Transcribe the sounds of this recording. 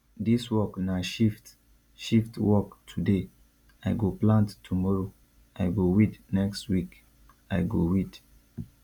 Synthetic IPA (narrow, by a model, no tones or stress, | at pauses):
diswɔknaʃift | ʃiftwɔktʰude | aɪɡoplãnttʰːumɔɹo | ajɡowidnɛkstwik | aɪɡowid